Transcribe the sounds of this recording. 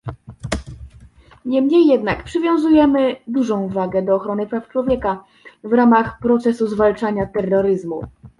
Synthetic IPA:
ɲɛmɲejːɛd̪nakpʂɘvʲjɔ̃w̃zujɛmɘd̪uʐɔ̃w̃vaɡɛd̪ɔːxɾɔnɘpɾaft͡ʂwɔvʲjɛka | vɾamaxpɾɔt̪sɛsuzvalt͡ʂaɲat̪ɛrːɔɾɘzmu

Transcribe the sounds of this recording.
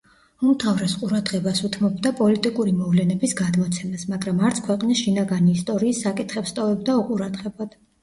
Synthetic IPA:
umt̪ʰavɾɛsqʼuɾad̪ʁɛbasut̪ʰmɔbd̪apʼɔlit̪ʼikʼuɾimɔvlɛnɛbisɡad̪mɔt̪sʰɛmasmaɡɾamaɾt̪sʰkʰwɛqʼnisʃinaɡaniːst̪ʼɔɾiːsːakʼit̪ʰχɛpst̪ʼɔvɛb̚d̪auqʼuɾad̪ʁɛbad̪̥

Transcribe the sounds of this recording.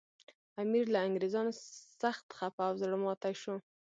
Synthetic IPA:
amiɾlaːŋɡɾezɑnosaxt̪xapawzɽəmɑt̪aʃo

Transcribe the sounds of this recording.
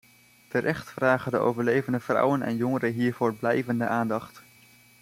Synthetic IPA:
təɾʔɛχtfraːχədəʔo̰wvəɹlejvəndəv̥rʌ̰wənɛ̰njɔŋəɾəɦiːɹvoːɹblɛjvəndəʔaːndɑχt

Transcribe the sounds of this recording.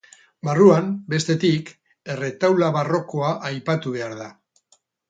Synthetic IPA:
baruambe̞st̪e̞t̪ik | e̞re̞t̪awlaβaro̞ko̞aʔajpat̪uβ̞e̞aɾða

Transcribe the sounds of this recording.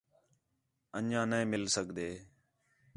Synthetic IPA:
ənãːnəĩːmɪlsəɡʱd̪eː

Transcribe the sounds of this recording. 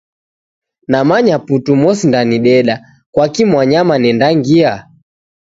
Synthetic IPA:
namaɲaputumɔsindaniɗɛɗa | kwakimwaɲamanɛndaŋɡia

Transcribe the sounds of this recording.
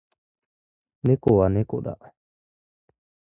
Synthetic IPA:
nekoaneko̰ɗa̰ʔ

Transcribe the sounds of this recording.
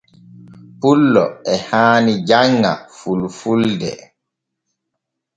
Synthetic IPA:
pulːɔɛhaːnid͡ʒaŋːa̰fulfuldɛ̰

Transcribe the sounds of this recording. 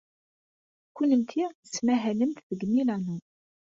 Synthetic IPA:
kʷːunəmt̪ʰiəsmæɦæləmt̪ðəɡːnilænu

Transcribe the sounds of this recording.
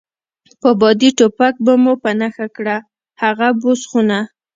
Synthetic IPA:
pəbɑd̪iʈopak̚bamopanaxakɽa | haɣabosxuna

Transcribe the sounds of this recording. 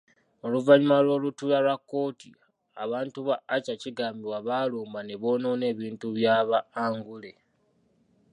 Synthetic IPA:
oluvaɲimalwo̞ːlutulalwakːo̞ːtḭ | aβaːntuβaːcaciɡaːmbiwaβaːloːmbane̞βo̞ːno̞ne̞ːβiːntuβjaːβaːŋɡule̞

